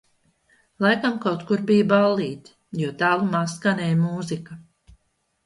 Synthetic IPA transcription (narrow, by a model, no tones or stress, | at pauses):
lˠajkamkawt̪kuɾbijbalˠːiːt̪ | juɔt̪aːlˠumaskanʲɛjmuːzika